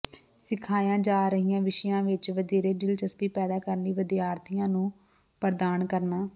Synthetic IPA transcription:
sɪkʰaːjãːd͡ʒaːɾəɦijãːʋɪʃəjãːʋɪt͡ʃʋəd̪eːɾeːɖɪlt͡ʃəspiːpɛːd̪aːkəɾənliːʋəd̪iaːɾt̪ʰɪjãːnũː | pəɾd̪aːnkəɾnaː

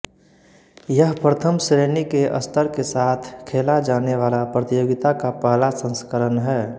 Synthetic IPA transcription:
jəɦpɾət̪ʰəmsɾeːnikeʔə̰st̪ʰəɾkesaːt̪ʰkʰeːlad͡ʒaːneʋaːlapɾət̪ijoːɡɪt̪akapaɦlasə̃nskəɾənɦɛː

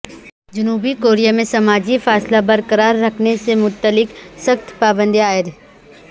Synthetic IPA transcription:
d͡ʒʊnuːbikoːɾijamẽsɐmaːd͡ʒifaːslabɐɾkəɾaːɾːɐkʰnesemʊt̪ːəlɪksɐxt̪ʰpaːbə̃nd̪iaːjəɾ

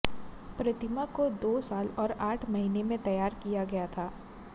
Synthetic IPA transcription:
pɾɐt̪ɪmakod̪oːsaːlɔːɾaːʈʰmɐɦiːnemẽt̪ɐjaːɾkijaɡɐjat̪ʰaː

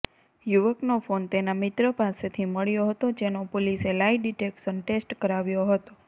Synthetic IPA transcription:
juʋəknofont̪enamɪt̪ɾəpaset̪ʰiməɭjoɦət̪od͡ʒenopoliselaiɖiʈekʃənʈesʈkəɾaʋjoɦət̪o

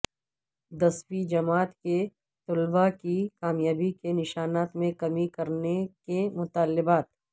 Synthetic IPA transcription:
d̪ɐswid͡ʒɐmaːt̪ke | t̪ʊlbakikaːmjaːbikenɪʃaːnaːt̪mẽkɐmikɐɾnekemʊt̪aːlːɪbaːt̪̚

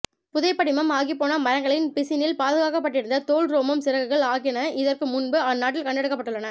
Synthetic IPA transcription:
pʊðɐɪpːɐɽɪmɐmaːɣɪpːoːnɐmɐɾɐŋɡɐɭɪnpɪsɪnɪlpaːðɯɣaːkɐpːɐʈːɪɾɯnd̪ɐt̪oːɭɾoːmɐmsɪɾɐɣɯɣɐɭaːɣɪnɐɪðɐrkɯmʊnbɯanːaːʈ̬ːɪlkɐɳɖɐɽɯkːɐpːɐʈːɯɭːɐnɐ

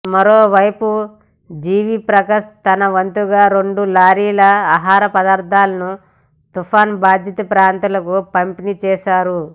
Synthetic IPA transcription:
mɐɾoːʋɐjpu | d͡ʒiːʋipɾɐkɐst̪ɐnɐʋɐnt̪uɡaːɾeɳɖulaːɾiːlɐaːɦaːɾɐpɐd̪aːɾt̪ʰaːlɐnu | t̪ufʰaːnbaːd̪ʱjɐt̪ɐpɾaːnt̪ulɐkupɐmpinit͡ʃɛːʃaːɾu

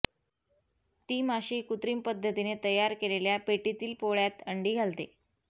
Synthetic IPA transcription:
t̪iːmaɕiːkut̪ɾiːmpəd̪ʱːət̪inet̪əjaɾkeleljapeʈit̪iːlpoɭjat̪əɳɖiːɡʱalt̪ḛ

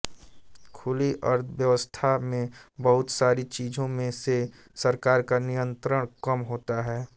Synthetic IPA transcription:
kʰʊliʔəɾt̪ʰʋjəʋəst̪ʰamẽbɐɦʊt̪saːɾit͡ʃiːd͡ʒʱõmẽse | sɐɾkaːɾkanijə̃nt̪ɾəɽ̃kɐmɦoːt̪aɦɛː

